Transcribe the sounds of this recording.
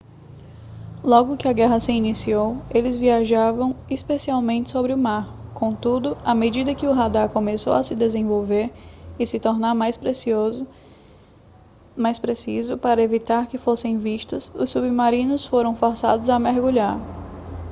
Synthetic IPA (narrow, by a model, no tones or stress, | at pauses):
lɔɡʊkɪɐɡɛɦɐsɪinisiowelɪzviaʒavɐ̃w̃ispesiawmẽt͡ʃɪ̥sobɾɪʊmaɾkõt̪ud̪ʊamed͡ʒid̪ɐkɪʊɦad̪akõmeso̰wɐsɪd̪ezẽvowveɾɪsɪt̪ɔɾnaɾmajspɾesoz | majspɾesizʊpaɾɐevit̪aɾkɪfosẽj̃viʃt̪ʊsʊsːubmaɾĩnʊsfoɾɐ̃w̃fɔɾsa̰d̪ʊzameɾɡuʎaɾ